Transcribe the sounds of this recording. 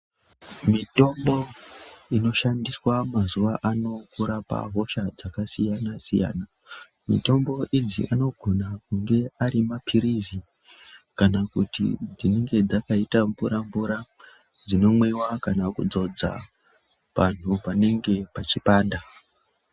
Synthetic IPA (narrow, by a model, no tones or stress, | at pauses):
mito̞mbo̞ino̞ʃandiswamazuʋaʔano̞kuɾapa̰ɦo̞ʃad͡zakasijanasija̰ːna | mḭto̞mbo̞ʔid͡zḭʔano̞ɡʱo̞nakuŋɡe̞aɾimapʰiɾizi | kanakutḭd͡zine̞ŋɡe̞d͡zakaitaɱvuɾaɱvuɾa | d͡zino̞mwewakanakṵd͡zo̞d͡za̰ | ʋan̤upane̞ŋɡe̞pat͡ʃipaːnda